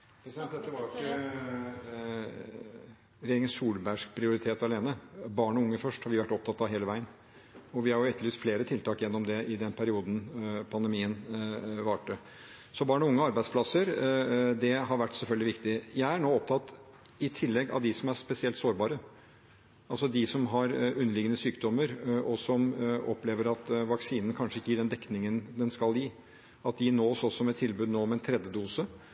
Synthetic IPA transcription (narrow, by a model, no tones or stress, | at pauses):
ɛt̪ːə | ɾɛjeːɾɪŋənsuːlbæʂk̚pʰɾɪʊɾɪt̪ʰeːt̪ɑleːnəbɑːɳɔʊŋːəfœʂʈhɑɾʋɪʋæʈːɔp̚t̪ʰɑt̪ːɑʋɦeːləʋæɪən | ɔʋɪhɑɾjʊɛt̪ːliːst̪fleːɾət̪ʰɪlt̪ɑːkjɛnːɔmd̪ɛʔɪd̪ɛnpʰæɾɪuːd̪npʰɑnd̪əɛmiːənʋɑːʈə | sɔbɑːɳɔʊŋːəɔɑɾbæɪd̪spʰlɑsəɾd̪ɛɦɑɾʋæʈːsɛlfœlɡ̪ɪʋɪkt̪ɪjæɪæɳoːɔpt̪ʰɑt̪ | ɪt̪ʰɪlːɛɡɑ̰ʋd̪ɪsɔmæɾspɛsɪɛlt̪soːɾbɑːɾə | ʔɑlsɔd̪ɪsɔmɦɑɾʉnːəlɪɡənəsyːkd̪ɔmːəɾʔɔsɔmɔpleːʋəɾɑt̪ʋɑksiːnən̩kʰɑnʂəɪkːəjɪːɖɛnd̪ɛkːnɪŋənd̪ɛnskɑlji | ɑt̪̚d̪ɪnoːsɔsɔmɛt̪ʰːɪlbʉːd̪noːmɛnt̪ʰɾɛd̪ːəd̪uːsə